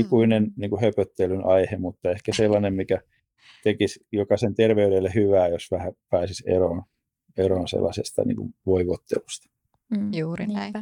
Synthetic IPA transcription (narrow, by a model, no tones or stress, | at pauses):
ikuinenniːŋkuhøpøt̪ːelynʔɑihemut̪ːɑehkæselːɑnemmikæ | t̪ekisjokɑsent̪erʋeydelːehyʋæːjosʋæhæpæːsisḛroːn | eroːnsḛlːɑsḛst̪ɑ̰nḭːŋkṵʋoiʋot̪ːḛlust̪ɑ̥ | uːn